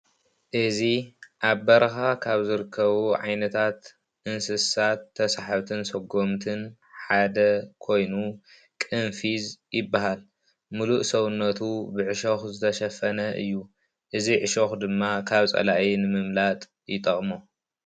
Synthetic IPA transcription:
ʔɨziʔaβbɐɾɐxakʰaβzɨɾɨkʰːɐβuʕa̰jnɐt̪ʰat̪ | ʔɨnsɨsat̪ʰːɐsaħaβt̪ʰɨnsɐɡomt̪ʰɨn | ħad̪ɐkʰo̞jnu | kʼɨnfizjɪbːaɦal | muluʔsɐwnːɐt̪ʰubɨʕɨʃoxzɨt̪ʰɐʃɐfɐnɐʔɨ̰jːu | ʔɨziʕɨʃoxd̪ɨmːakʰaβt͡sʼɐ̰laʔinɨmɨmlat̪ʼ | jɪt̪ʼɐχʼmo

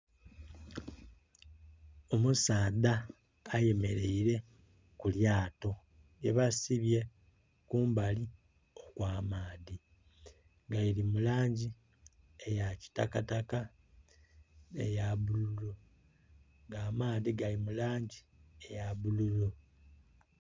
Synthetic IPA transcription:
omusaːðaː | je̞me̞ɾe̞iɾe̞ | kuljaːto̞ | je̞βasiβje̞ | kuːmbali | okwaːmaːði | ɡajilimulaːɲɟi | ejaci̥takataka | ḛjaβululu | ŋɡaːmaːðiɡalimulaːɲɟi | ejaβululu

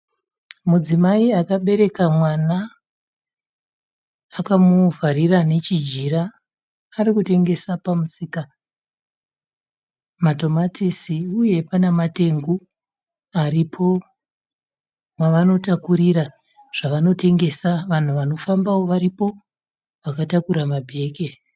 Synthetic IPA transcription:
mud͡zimaiakaɓe̞ɾe̞kamwana | kamuvʱaɾirane̞t͡ʃid͡ʒiɾaː | ɾikute̞ŋɡe̞sapamusiːka | mato̞matʰisiuje̞panemate̞ŋɡu | aɾipʰo̞ | mwaʋano̞takuɾira | ʐ̥aʋano̞te̞ŋɡe̞saʋan̤uʋano̞fambawo̞ʋaɾipo̞ | ʋakatakuɾamabʱe̞ːke̞

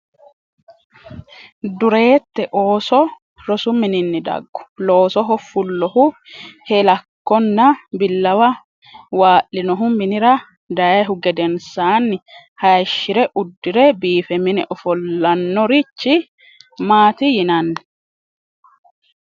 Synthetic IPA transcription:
d̪ʊɾeːt̪ːɛʔoːsɔ | ɾɔsʊmɪnɪnːɪd̪ɐ̰ɡːʊ̥loːsɔɦɔfʊlːɔhʊhɛlɐkːɔnːɐbɪlːɐwɐ | waːʔɪnɔɦʊmɪnɪɾɐ | d̪ɐjɦʊɡɛd̪ɛnsaːnːɪ | hɐjʃɪɾɛʔʊd̪ːɪɾɛbiːfɛmɪnɛʔɔfɔlːɐnːɔɾɪt͡ʃːɪ | maːt̪ɪjɪnɐnːɛ̥

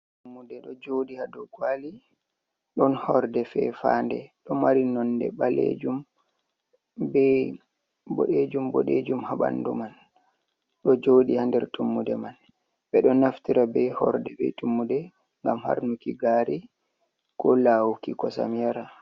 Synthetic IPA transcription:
tumːudɛɗɔd͡ʒodihadɔɡwali | ɗɔnhɔɾdɛfɛ̰fa̰ndɛɗɔmaɾinɔnːdɛ̰balḛd͡ʒum | bɛ | bɔɗed͡ʒumbɔ̰ɗed͡ʒumhaɓa̰ndṵman | ɗɔd͡ʒoɗihandɛɾtumːudɛman | bɛɗɔnaftiɾabɛhɔ̰ɾdɛbɛ̰tumːudɛ | ŋɡamha̰ɾnukiɡaɾi | kɔlawukikɔsa̰mjaɾa

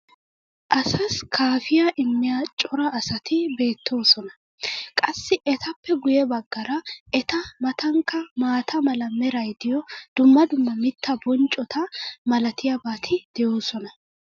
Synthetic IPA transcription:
ʔɐsɐskʰaːfɪjaʔɪmːɪjaːt͡ʃʼɔɾɐːsɐt̪ɪbe̞ːt̪ʰːo̞ːsɔnɐ | kʼɐsːɪʔɛt̪ʰɐpːɛɡʊjɛbɐɡːɐɾɐʔɛt̪ɐmɐt̪ɐŋkːɐmaːt̪ʰɐmɐlɐmɛɾɐjd̪ɪjɔd̪̥ʊmːɐd̪ʊmːɐmɪt̪ʰːɐbɔnt͡ʃʼɔt̪ʰɐmɐlɐt̪ɪjabaːt̪ʰɪd̪̥ɛjo̞ːsɔnɐ

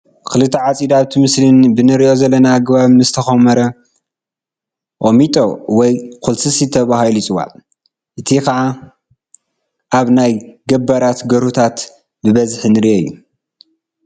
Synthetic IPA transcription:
kʰɨlɨt̪ʰːɐʕat͡sʼid̪aβt̪ʰɨmɨslɨnbɨnɨɾiʔo̞zɐlːɐnaːɡβaβnɨzɨt̪ʰɐxɐmɐɾɐ | ʔomit̪ʼowɔjkʰulsɨsit̪ʰɐβahalut͡sʼɨwa̰ | ʔɨt̪ʰikɐʕa | ʔaβnajɡɐbɐɾat̪ɡɐɾhut̪ʰat̪ | bɨβɐzħnɨɾiʔojːu

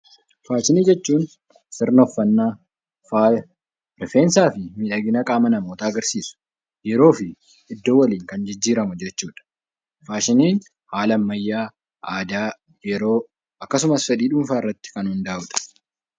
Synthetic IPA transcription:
faːʃɪniːd͡ʒɛt͡ʃːuːn | sɪɾnɔfːɐnːaː | faːj | ɾfeːnsaːfɪmɪᶑɐɡɪnɐkʼaːmɐnɐmoːt̪aːɐɡɐɾsiːsʊ̥ | jɛɾo̞ːfɪ | ʔɪd̪ːoːwɐliːŋkɐnd͡ʒɪd͡ʒːiːɾɐmʊd͡ʒɛt͡ʃːuːᶑɐ̥ | faːʃɪniːn | haːlɐmːɐjːaː | aːd̪aː | jɛɾo̞ː | ɐkːɐsʊmɐsfɛᶑ̪iːᶑʊmfaːɪrːɐt̪ːɪ̥kɐnhʊnd̪aːʔʊᶑ̪ɐ̥

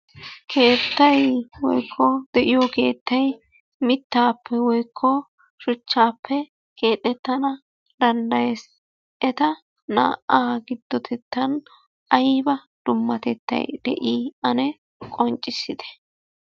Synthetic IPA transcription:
kʰe̞ːt̪ːɐjwɔ̰jkʰːɔd̪ɛʔɪjoke̞ːt̪ːɐj | mɪt̪ːaːpːɛwɔjkʰːɔ | ʃʊt͡ʃːaːpːɛ | kʰe̞ːt̪ʼːɛt̪ːɐnɐ | d̪ɐnd̪ɐjɛs | ʔɛt̪ɐ | na̰ːʔaːɡɪd̪ːɔt̪ʰɛt̪ːɐn | ɐjbɐ | d̪̥ʊmːɐt̪ɛt̪ːɐ̰jd̪̥ɛ̰ʔiːɐnɛ | kʼɔnt͡ʃʼɪsɪd̪ɛ̥

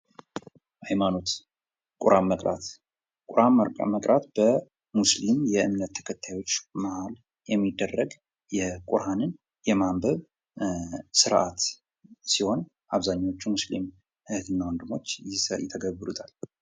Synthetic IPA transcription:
hajmano̞t̪ | kʼʊɾʔamːəkʼɾa̰t̪ | kʼʊɾaməkʼɾat̪b̥ə | muslimjɛʔɨmnət̪ʰːə̥kʰət̪ʰːajwo̞t͡ʃːmahal | jɛmːid̪ːərːəɡ | jɛkʼʊɾanɨn | jɛmambəβ | sɨɾʔat̪ | siho̞n | ʔaβzaɲːawo̞t͡ʃːumuslḭm | hɨht̪ɨnːawɔnd̪ɨmːo̞t͡ʃːjɛ̰t̪ʰːəɡəβːɨɾut̪ʰal

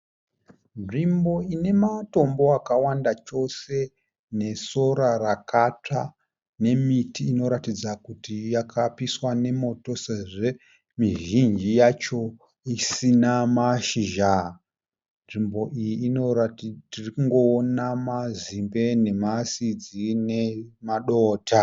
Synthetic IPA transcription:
nʐimbo̞ine̞mato̞mbo̞akawandat͡ʃo̞se̞ | ne̞so̞ɾarakat͡ʂa | ne̞mitiːno̞ɾatid͡zakutijakʰapiswane̞mo̞to̞seʐe | miʒind͡ʒijat͡ʃo̞ | isinamaʃiʒa | nʐimbo̞ʔijiːnotirikuŋɡo̞ːnamazimbe̞ne̞masid͡zine̞maɗoːtʰa

